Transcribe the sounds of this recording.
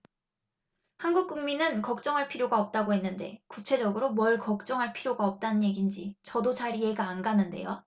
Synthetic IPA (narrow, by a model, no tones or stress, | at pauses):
hanɡuk̚k͈uŋminɯnkʌk̚t͡ɕ͈ʌŋɦaɭpʰiɾjoɡaʌp̚t͈aɡoɦe̞nːɯnde̞kut͡ɕʰe̞d͡ʑʌɡɯɾomwʌɭkʌk̚t͡ɕ͈ʌŋɦaɭpʰiɾjoɡaʌp̚t͈anɯnje̞ɡind͡ʑit͡ɕʌdot͡ɕaɾije̞ɡaːnɡanɯnde̞̰jo